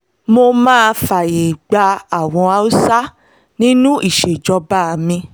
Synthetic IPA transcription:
mo˧mãː˦˧fa˨je˨ɡ͡ba˧a˨w̃ɔ̃˧a˧u˦sa˦ | nĩ˦nũ˦ʔi˦˨ʃe˨d͡ʒɔ˧ba˦˨a˧mĩ˧

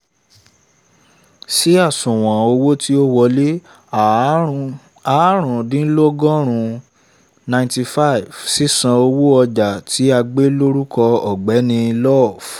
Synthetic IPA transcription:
si˦a˦˨sũ˨w̃ã˨o˧wo˦ti˦o˦wɔ˧le˦ | a˨ | a˨˦ɾ̃ũ˨dĩ˨˦lo˦ɡɔ̃˦ɾ̃ũ˧ | nã˧j̃ti˧fa˦i˨vsi˦sã˧o˧wo˦ɔ˧d͡ʒa˨tʰi˨˦a˧ɡ͡be˦lo˦ɾu˦kʰɔ˧ɔ˨ɡ͡bɛ˨˦nĩ˧lɔ˦˨f

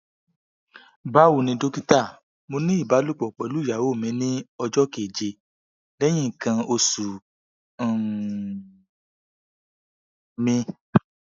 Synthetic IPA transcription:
ba˦wu˦˨nĩ˧do˦ki˦ta˦˨ | mo˧nĩ˦i˦˨ba˨˦lu˦˨k͡pɔ˨k͡pɛ˨˦lu˦˨ja˨wo˦˨mɛ̃˨˧˦nĩ˦ɔ˧d͡ʒɔ˦ke˨d͡ʒe˧ | lɛ˦j̃ĩ˦˨kã˧o˧sũ˨ | mĩ˧

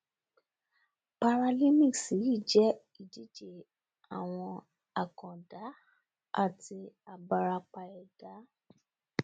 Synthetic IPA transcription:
pa˧ɾa˧li˦mĩ˦˨ksi˨˦ji˦˨d͡ʒɛ˦ | i˦˨d͡ʒi˦d͡ʒe˦˨ | a˨w̃ɔ̃˧ | a˨kɔ̃˨da˨˦ | a̰˦˨ti˧a˨ba˨ɾa˧k͡pa˧jɛ˨d̥a˨˦

